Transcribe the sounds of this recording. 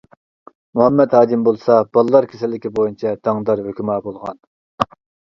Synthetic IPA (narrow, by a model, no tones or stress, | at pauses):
muɦɑmːɛd̪hɑːd͡ʒ̪imbolˠsɑbɑlˠlˠːɑɾkʲʰesɪlːɪkʲibojunt͡ʃʰɛd̪̥ɑŋd̪ɑɾɦøkʲymɑːbolˠʁɑ̰n